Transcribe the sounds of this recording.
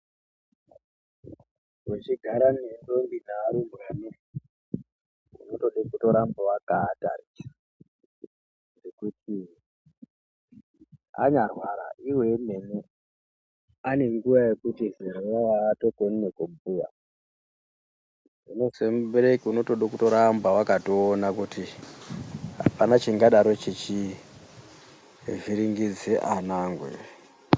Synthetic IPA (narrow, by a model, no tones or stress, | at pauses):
wut͡ʃiɡʱaɾanendo̞mbinaaɾimwane | unoto̞ɗekuto̞ɾambowakaːta̰risḁ | ndekutʰi | a̰ɲarwaɾa̰ʔiwe̞mene | ane̞ŋɡuʋaje̞kutizeɾeʋawaːto̞koninekubuja̰ | uno̞sembeɾekiuno̞toɗokutoɾambawakatoːnakuti | ɦa̰panat͡ʃiŋɡaɗaɾot͡ʃit͡ʃi | viɾiŋɡid͡zeʔanaːŋɡwḛ